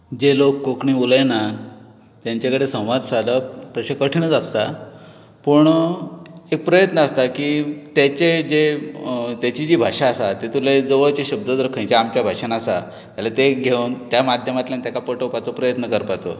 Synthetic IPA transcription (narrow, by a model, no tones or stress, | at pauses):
d͡ʑelokːokɳiːuləjna | t̪jãɲt͡ɕakəɽesə̃w̃ʋad̪saləp̚t̪əɕekəʈʰiɳəd͡zast̪a | puɳ | ek̚pɾəjət̪nəast̪akiːt̪jat͡ɕed͡ʑe | t̪jat͡ɕid͡ʑiːbʱaʂaːsat̪et̪uled͡zəʋəɭt͡ɕeɕəb̚d̪əd̪ɾkʰə̃jt͡ɕeamt͡ɕjabʱaʂənasa̰ | t̪jalat̪eɡʱewnt̪jamad̪ʱjəmat̪ljant̪jakapəʈəwpat͡sopɾəjət̪nəkəɾpat͡so̰